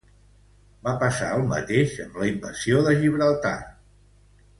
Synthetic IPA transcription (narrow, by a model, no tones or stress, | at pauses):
bapəsaəlˠmə̰t̪eʃəmləimbəsioðəʒiβɾəlˠt̪a̰